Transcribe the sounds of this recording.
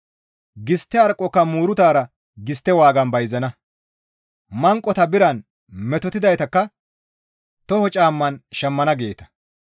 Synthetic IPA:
ɡɪst̪ːɛɐɾkʼːɔkːɐmuːɾʊt̪aːɾɐ | ɡɪst̪ːɛwaːɡɐnbɐjzɐnɐ | mɐŋkʼːɔt̪ɐbɪɾɐn | mɛt̪ɔt̪ɪd̪ɐjt̪ɐkːɐ | t̪ɔhɔt͡ʃʼaːmːɐnʃɐmːɐnɐɡe̞ːt̪ɐ̥

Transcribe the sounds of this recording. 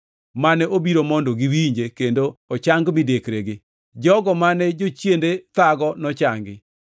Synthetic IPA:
manɛʔobiɾomɔndoɡiwiɲd͡ʒekendoɔt͡ʃaŋɡmɪdekɾeɡɪ | d͡ʒɔɡɔmanɛd͡ʒot͡ʃjendet̪aɡɔnɔt͡ʃaŋɡɪ

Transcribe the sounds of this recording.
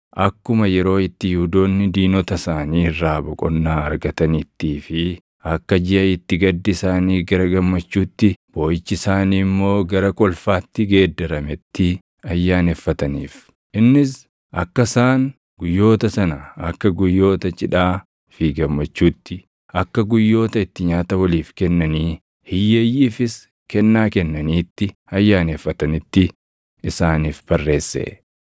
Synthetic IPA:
ʔɐkːʊmɐjɛɾo̞ːɪt̪ːɪjud̪o̞ːnːɪd̪iːnɔt̪ɐsaːniːrːaːbɔkʼɔ̰nːaːɐɾɡɐt̪ɐnit̪ːiːfɪ | ɐkːɐd͡ʒɪʔɐɪt̪ːɪɡɐd̪ːɪɪsaːniːɡɐɾɐɡɐmːɐt͡ʃːuːt̪ːɪb̥o̞ːjɪt͡ʃːɪsaːniːmːo̞ːɡɐɾɐkʼɔlfaːt̪ːɪɡe̞ːd̪ːɐɾɐmɛt̪ːɪ | ɐjːaːnɛfːɐt̪ɐniːf | ʔɪnːɪs | ʔɐ̰kːɐsaːn | ɡʊjːo̞ːt̪ɐsɐnɐɐkːɐɡʊjːo̞ːt̪ɐt͡ʃʼɪᶑaː | fiːɡɐmːɐt͡ʃːuːt̪ːɪ | ɐkːɐɡʊjːo̞ːt̪ɐɪt̪ːɪɲaːt̪ɐwɐliːfkɛnːɐniː | hɪjːeːjːiːfɪs | kɛnːaːkɛnːɐniːt̪ːɪɐjːaːnefːɐt̪ɐnɪt̪ːɪ | ɪsaːniːfb̥ɐrːe̞ːsːḛ

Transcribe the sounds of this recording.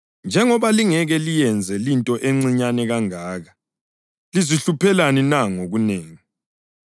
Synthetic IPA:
nd͡ʒʱɛŋɔβaliŋɛɣɛlijɛnd͡zʱɛlintʼɔʔeŋ͡ǀiɲanɛɣaŋaːɣa | liziɬupɛlaninaŋoɣuneːŋi

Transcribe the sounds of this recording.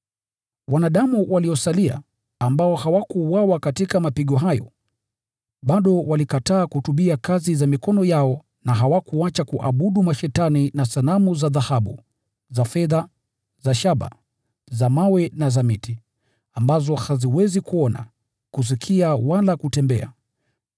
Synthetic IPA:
wanaɗamuwaliɔsalia̰ː | mbaɔhawakuwawakatikamapiɠɔɦajɔ̰ | ɓaɗɔwalikataːkuhutuɓiakazizamikɔnɔjaɔ | naɦawakuat͡ʃakuʔaɓuɗumaʃɛtaninasalamuzaðahaɓṵ | zafɛða | zaʃaɓa̰ | zamawɛnazamiti | ambazɔhaziwɛzikuɔna̰ | kus̬ikʰiawalakutɛmbɛ̰a̰

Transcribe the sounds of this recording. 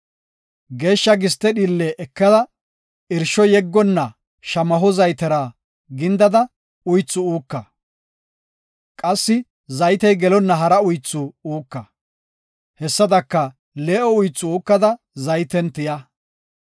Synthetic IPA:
ɡe̞ːʃːɐɡɪs̬t̪ːɛɗiːlːeʔɛkːɐd̪ɐ | ɪɾʃɔjɛɡːɔnːɐ | ʃɐmɐɦɔzɐjt̪ɛɾaː | ɡɪnd̪ɐd̪ɐ | ʊjt͡sːʊuːkːɐ | kʼɐsːɪ | zɐjt̪ɛjɡɛlɔnːɐɦɐɾɐʊjt͡sːʊuːkːɐ | hɛsːɐd̪ɐkːɐ | leːʔɔʊjt͡sːʊuːkːɐd̪ɐ | zɐjt̪ɛnt̪ɪjɐ

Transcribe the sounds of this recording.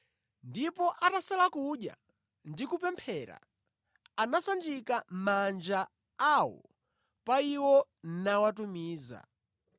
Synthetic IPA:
ndipɔʔatasɛlakuɗja̰ | ndikupɛmpʰɛɾa̰ | anasand͡ʒikamand͡ʒa | awɔ̰ | paiwɔnnawatumiːza̰

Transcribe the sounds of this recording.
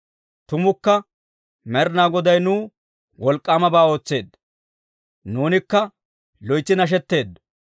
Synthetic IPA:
t̪ʊmʊkːɐ | mɛɾnaːɡɔd̪ɐjnuː | wɔlkʼːaːmɐbaːo̞ːt͡sːe̞ːd̪ː | nuːnɪkːɐ | lɔjt͡sːɪnɐʃ̬ɛt̪ːe̞ːd̪

